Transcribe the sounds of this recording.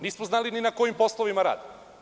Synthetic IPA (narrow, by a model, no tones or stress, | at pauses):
niːsmoznaːlininako̞jimpo̞slˠoʋimaɾa̰ːd̪